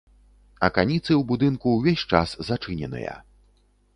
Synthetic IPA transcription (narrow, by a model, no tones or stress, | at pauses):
ɐ̰kanʲit̪sɨwbud̪ɨnkuwvʲesʲt͡ʂa̰szat͡ʂɨnʲɛ̰nɨ̰jɐ̰